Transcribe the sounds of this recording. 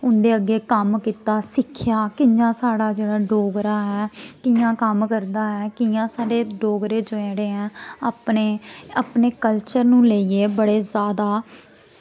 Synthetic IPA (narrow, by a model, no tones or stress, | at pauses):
ʊ̃nd̪eːəɡːeːkəmkiːt̪aːsɪkʰɪjaːkɪjãːsaːɽaːd͡ʒeːɽaːɖoːɡɾaːɦɛːkɪjãːkəmkəɾd̪aːɦɛːkɪjãːsaːɖeːɖoːɡɾeːd͡ʒoɛ̃ːɽeːɦɛ̃ːəpneːəpɳeːkəlt͡ʃəɾnũːləiːeːbəɽeːzjaːd̪aː